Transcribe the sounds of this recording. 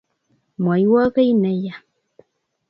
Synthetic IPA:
mwa˨jwa˦ɣə˦jnɛ˦ja˨

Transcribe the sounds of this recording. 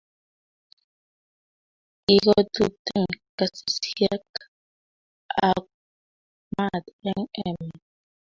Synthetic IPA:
i˦˨ɣo˦t̪u˦˨t̪e˦˨ŋka˨si̥˨sja˦k | a˦k̚ | ma˦˨t̪e˦ŋe˨m˨

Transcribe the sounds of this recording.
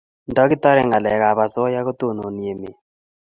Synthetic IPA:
ndɔ˦ki˦tɔ˦ɾɛ˨ŋɡa˨lɛ˨ka˨βa˨sɔ˦ja˦ko˦to˦˨no˨ni˨e˨me˨

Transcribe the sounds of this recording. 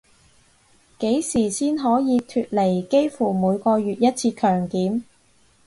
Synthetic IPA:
ke˨˥jsiː˨˩siː˥nɦɔː˨˥jiː˨˧t̪ʰyː˧t̚le˨˩jke˥jfuː˨˩muː˨˧jkɔː˧ɥyː˨t̚jɐ˥t̚t͡sʰiː˧kʰœː˨˩ŋkiː˨˥m

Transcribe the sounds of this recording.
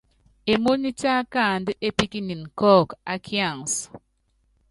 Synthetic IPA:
e˨mo˦ni˦ta˦ka˦˨n˨dɨ˦ʔe˦pi˦ki˦ni˨n˨kɔ˦˨ka˦kʰja˦˨ŋs

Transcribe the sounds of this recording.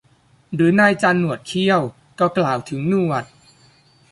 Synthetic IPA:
ɾɯː˩˦naː˧jt͡ɕaː˧nːu˨˩ət̪̚kʰi˥˩əw | kɔː˧˥˩klaː˨˩wt̪ʰɯ˩˦ŋnuː˥˩wa˨˩t̪̚

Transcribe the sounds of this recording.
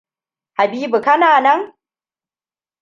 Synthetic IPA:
ha˨biː˦bu˨kɐ˦naː˨nɐ˦ŋ

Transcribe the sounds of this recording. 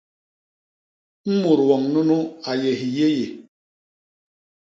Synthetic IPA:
m̩˦mu˨ɾwɔ˨ŋnu˦nu˦a˨je˨ɦi˨je˦je˨

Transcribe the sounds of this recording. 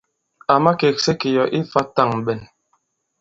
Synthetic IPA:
a˨ma˦ke˨kse˦ke˨jɔ˨ʔi˦fa˦ta˦˨ŋ̩˨bɛ˨n

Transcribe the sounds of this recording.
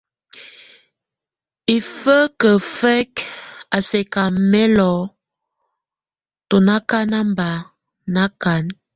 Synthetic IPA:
i˨fə˦kə˨fɛ˦ka˨sɛ˨ka˨mɛ˦lɔ˨˦ | to˨na˦ka˦na˦mba˨ | na˦ka˨˦n

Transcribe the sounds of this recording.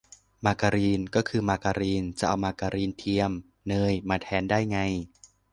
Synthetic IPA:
maː˧ka˧ɾiː˧nkɔː˥˩kʰɯː˧maː˧ka˧ɾiː˧nt͡ɕa˨˩ʔa˧wmaː˧ka˧ɾiː˧nt̪ʰi˧əm | nɤː˧jmaː˧t̪ʰɛː˨˦ndaː˥˩jŋa˧j

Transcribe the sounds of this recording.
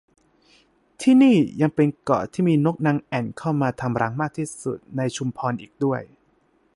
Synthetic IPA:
t̪ʰiː˥˩niː˥˩ja˧ŋpe˧nkɔ̰ː˨˩t̪ʰiː˥˩miː˧no˦˥k̚na˧ŋʔɛ˨˩nkʰa˥˩wmaː˧t̪ʰa˧mɾa˦˥ŋmaː˥˩k̚t̪ʰiː˥˩sṵ˨˩t̪̚na˧jt͡ɕʰu˧mpʰɔː˧nʔḭː˨˩k̚du˥˩əj

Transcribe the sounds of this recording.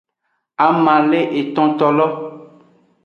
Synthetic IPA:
a˨mã˨le˦ʔe˨t̪ɔ̃˦t̪ɔ˨lɔ˦

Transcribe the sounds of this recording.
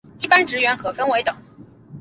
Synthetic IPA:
i˥˩pa˥nʈ͡ʂɻ̩˧˥ɥɛ˧˥nkʰɤ˨˩fə˥nwe˧˥ɪt̪ʊ˨˩˦ŋ

